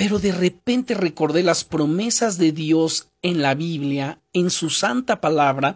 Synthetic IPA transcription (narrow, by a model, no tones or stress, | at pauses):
pe̞ɾo̞ðe̞re̞pe̞nt̪e̞re̞ko̞ɾðe̞laspɾo̞me̞sazðe̞ðjo̞s | e̞nlaβiβljae̞nsusant̪apalaβɾa